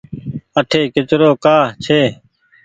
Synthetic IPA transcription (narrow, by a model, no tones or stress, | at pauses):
əʈʰeːkɪt͡ʃɾoːkaːt͡ʃʰeː